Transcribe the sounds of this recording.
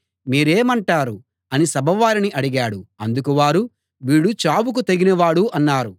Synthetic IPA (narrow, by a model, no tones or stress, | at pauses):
miːɾeːmɐɳʈaːɾu | ɐnisɐbʱɐʋaːɾiniʔɐɽiɡaːɽuɐnd̪ukuʋaːɾu | ʋiːɽut͡ʃaːbuk̬ut̪ɐɡinɐʋaːɽuʔɐnːaːɾu